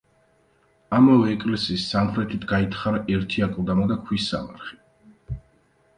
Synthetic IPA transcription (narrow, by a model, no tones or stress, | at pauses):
amavɛːkʼlɛsiːsːamχɾɛt̪ʰit̪ʰɡait̪ʰχaɾaʔɛɾt̪ʰiakʼlˠd̪amad̪akʰwisːa̰ma̰ɾχi̥